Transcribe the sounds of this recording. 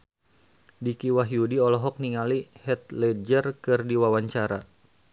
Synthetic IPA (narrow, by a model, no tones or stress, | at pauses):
dikiwaɦjudiɔlɔɦɔk̚niŋalihɛt̪̚lɛd͡ʒərkɨrdiwawaɲt͡ʃaɾa